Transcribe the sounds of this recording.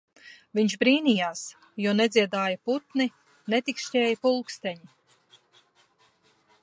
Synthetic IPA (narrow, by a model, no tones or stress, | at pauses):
viɲʃbɾiːnijaːs | juɔnɛd̪ziɛd̪aːjɐput̪ni | net̪ikʃcʲɛːjəpulˠkst̪ɛɲi